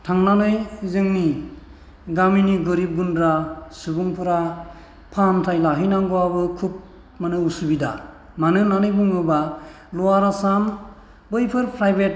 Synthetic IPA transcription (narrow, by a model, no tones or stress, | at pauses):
tʰaŋnanɯjzɯŋni | ɡaminiɡɯɾip̚ɡundɾasubuŋpʰɯɾa | pʰantʰajlaɦɯjnaŋɡuwabɯkʰup̚ | manɯusubida̰ | manɯnanɯjbɯŋɯba | luaɾasam | bɯjpʰɯɾpʰɾajbet̚